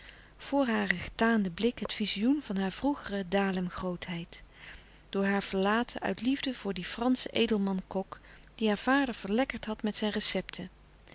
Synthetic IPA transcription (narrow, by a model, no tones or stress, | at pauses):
v̥ʊːɹɦaːrəχə̥taːndəblɪkɦətfizijunv̥ɑnɦaːɹvruχərədaːləmχrowtɦɛjt | d̥ʊːɹɦaːɹv̥əɹlaːtʰə̰ʔœ̰ɥtlivdəv̥ʊːɹdifrɑnsəʔejdəlˠmɑnkɔk | d̥iɦaːɹv̥aːdəɹv̥əɹlɛkəɹtɦɑtmɛtsɛjnrəsɛptʰə